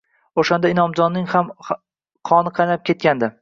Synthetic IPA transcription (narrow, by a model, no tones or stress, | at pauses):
oʃand̪aɪnɒmd͡ʒɒnːɪŋham | qʰɒnɪqʰɑjnap̚kʲe̞t̪̚kʲand̪ɪ